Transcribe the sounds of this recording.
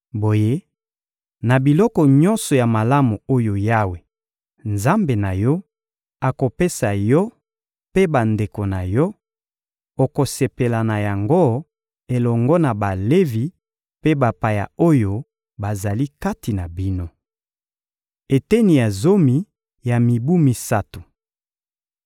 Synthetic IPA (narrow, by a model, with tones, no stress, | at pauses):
bo˨je˦ | na˨bi˨lɔ˦kɔ˨ɲɔ̃˦nsɔ˨ja˨ma˨la˦mu˨o˦jo˨ja˦we˨ | nza˦mbe˨na˨jɔ˦ | a˨ko˨pe˦sa˨jɔ˦ | pe˦ba˨nde˨ko˨na˨jɔ˦ | o˨ko˨se˨pe˨la˨na˨ja˨ŋɡo˦ | e˨lɔ˨ŋɡɔ˦na˨ba˨le˦vi˨ | pe˦ba˨pa˨ja̰˨o˦jo˨ | ba˨za˨li˦ka˦ti˨na˨bi˦no˦ | e˨tɛ˦ni˨ja˨zo˦mi˨ | ja˨mi˨bu˦mi˨˦sa˦tu˨